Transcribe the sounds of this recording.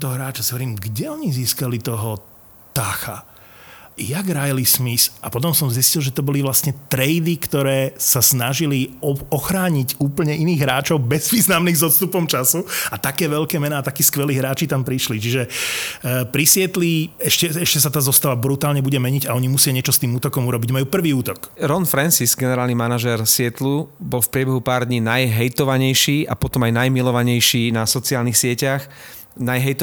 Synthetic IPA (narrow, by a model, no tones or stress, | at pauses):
t̪ɔɔɦɾaːt͡ʃasʋɔɾiːmɡɟɛɔɲiziːskalit̪ɔɦɔ | t̪axa̰ | jaɡɾajlismisapɔt̪̬ɔmsɔmziscilʒɛt̪ɔbɔliʋlasɲɛt̪ɾɛjd̪ikt̪ɔɾɛːsasnaʒiliɔxɾaːɲiɟuːpl̩ɲɛʔiniːɣɦɾaːt͡ʃɔʊbɛzʋiːznamniɣzɔst̪upɔmt͡ʃasuat̪akɛːʋɛʎkɛːmɛnaːt̪akiːskʋɛliːɦɾaːt͡ʃit̪ampɾiʃlit͡ʃiʒɛ | pɾisɪɛt̪liɛʃcɛɛʃcɛs̬at̪aːzɔst̪aʋabɾut̪aːlɲɛbuɟɛmɛɲiɟaɔɲimusɪaɲɪɛt͡ʃɔst̪iːmuːt̪ɔkɔmuɾɔbiɟmajuːpr̩ʋiːuːt̪ɔkɾɔnfɾɛnsisɡɛnɛɾaːlnimanaʒɛɾsɪɛt̪lubɔlfpɾɪɛbɛɦupaːɾd̪ɲiːnajɦɛjt̪ɔʋaɲɛjʃiːapɔt̪ɔmajnajmilɔʋaɲɛjʃiːnasɔt͡siaːlnixsɪɛcax | najɦɛjt̪